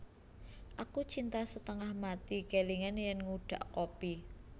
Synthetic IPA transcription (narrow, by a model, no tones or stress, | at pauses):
ʔakut͡ʃint̪asət̪əŋahmat̪ikeliŋanjənŋuɖ̥a̤ʔkopi